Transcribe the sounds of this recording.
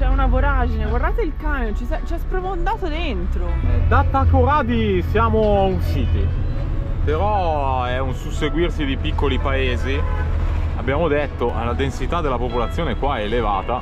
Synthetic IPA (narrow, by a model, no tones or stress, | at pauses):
t͡ʃɛunaboɾad͡ʒineɡward̪aːt̪eilkaːmjont͡ʃisɛt͡ʃiɛspɾofond̪aːt̪od̪ent̪ɾoɛd̪at̪ːakːoɾaːd̪isjaːmounsiːt̪i | peɾɔ | ɛunsuseɡwirsid̪ipikːolipaeːzi | a̰bːjaːmod̪et̪ːoʔa̰lad̪ensit̪ad̪ːelapopolat̪sːjoːnekwaɛːlevaːt̪a